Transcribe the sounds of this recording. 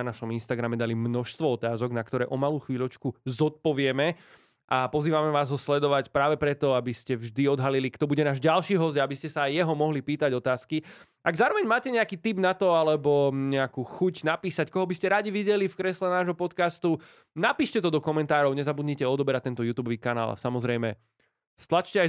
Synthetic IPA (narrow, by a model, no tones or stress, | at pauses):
anaʃɔminst̪aɡɾamɛd̪alimnɔʃst̪ʋɔɔt̪aːzɔɡnakt̪ɔɾɛːʔɔmaluːxʋiːʎɔt͡ʃkuzɔt̪̚pɔʋɪɛmɛ | ʔapɔziːʋamɛʋaːzɦɔslɛd̪ɔʋacpɾaːʋɛpɾɛt̪ɔabiscɛvʒd̪iɔd̪ɦalilikt̪ɔbuɟɛnaːʒɟalʃiːɦɔsɟaabiscɛsaːjjɛɦɔmɔɦlipiːt̪aɟɔt̪aːski | ʔaɡzaːɾɔʋɛɲmaːcɛɲɛakiːt̪ibnat̪ɔalɛbɔɲɛakuːxucnapiːsackɔɦɔbiscɛɾaɟiʋiɟɛlifkɾɛslɛnaːʒɦɔpɔt̪kast̪u | napiːʃcɛt̪ɔd̪ɔkɔmɛnt̪aːɾɔʊɲɛzabud̪ɲicɛɔd̪ɔbɛɾac̚t̪ɛnt̪ɔjuːt̪ubɔʋiːkana̰ːla̰samɔzɾɛjmɛ | st̪lat͡ʃcɛa